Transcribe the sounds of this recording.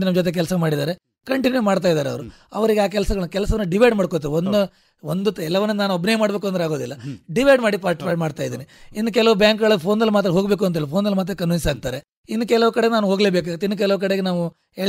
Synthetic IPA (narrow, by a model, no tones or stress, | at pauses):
inɐmːd͡ʒot̪̬e̞k̬ɛlsɐmaːɽid̪aːɾe | kɐɳʈinjumaːɽt̪̬aːjd̪aːɾeɐʋɐɾu | ɐ̰ʋɐɾiɡeaːk̬ɛlsɐɡɐɭkɛlɐsɐʋɐnːuɖiʋɐjɖmaːɽkoːt̪̬iːɾond̪u | ond̪uɛlːɐʋɐnːɐnaːnuɐbʱinɐjɐmaːɽbeːkuɐnd̪ɾeaːɡo̞ːd̪ilːɐɖiʋɐjɖmaːɽipaːɾʈpaʈmaːɽt̪aːjd̪iːniinːd̪ukɛlɐʋubjaːŋkɡɐɭɐpʰo̞ːnd̪ɐlːumaːt̪̬ɾɐɦo̞ːɡbeːk̬uɐnt̪elupʰoːnd̪ɐlːmaːt̪̬ɾɐkɐnʋinsaːɡ̚t̪aːɾe | inːukɛlɐʋukɐɽeɡenaːnuɦo̞ːɡle̞ːbeːk̬aːɡit̪ːeinːuk̬ɛlɐʋk̬ɐɽeːɡenaːʋu | eɭ